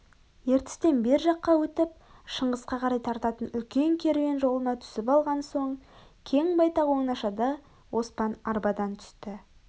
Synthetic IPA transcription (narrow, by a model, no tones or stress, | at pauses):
je̞ɾt̪ɪ̥st̪e̞nbe̞ɾʒɑqːɑwɵt̪ɪp̚ʃəɴʁəsqɑqʰɑɾɑjt̪ʰɑɾt̪ɑt̪ənʏlkʲe̞ŋkʲʰe̞ɾme̞nʒo̞lˠənɑt̪ʰʏ̥sɪpɑlˠʁɑnso̞ɴ | kʲʰe̞ŋbɑjt̪ɑwo̞ŋənɑʃɑd̪ɑ | wʔo̞spɑnɑɾbɑd̪ɑnt̪ʰʏ̥st̪ɪ